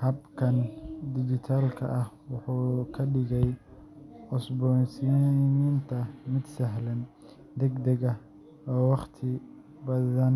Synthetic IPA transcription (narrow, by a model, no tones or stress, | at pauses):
hɐbkʰɐnd̪ɪd͡ʒɪt̪ʰaːlkʰɐ̰ʔɐh | wɑħuːkʰɐɖɪɣɛj | ɔsbɔnsinint̪ʰɐmɪd̪sɐɦlɐn | d̪ɛɡd̪ɐɣɐ | wɑqt̪ʰɪ | bɐðɐn